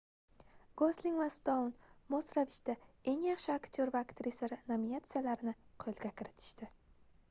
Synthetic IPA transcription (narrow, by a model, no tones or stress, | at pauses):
ɡ̥oslɪŋvast̪ownmosɾavɪt͡ʃd̪ae̞ŋjɑχʃɪakt̪ʰoɾvaakt̪ɾɪsaɾɪnaminat̪sɨjalaɾɪnɪqʰojɪlɡʲakʲʰɪɾɪt̪ʰɪ̥ʃt̪ɪ